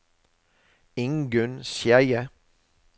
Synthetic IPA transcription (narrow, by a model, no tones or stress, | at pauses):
ɪŋɡʉnsjæɪə